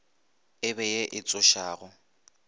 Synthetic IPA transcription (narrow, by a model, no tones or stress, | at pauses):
ɪβɛjeʔɪt͡sʼʊʃaːɣʊ